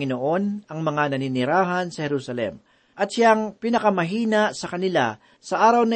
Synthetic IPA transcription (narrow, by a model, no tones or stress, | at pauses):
ŋɪnoʔo̞nɐŋmɐŋanɐninɪɾaːɦɐnsɐhɛɾusɐlɛ̰m | ʔɐt̪̚ʃaŋpɪnɐkɐmɐɦiːnasɐkɐnɪla̰ | sɐʔaːɾɐwnɐ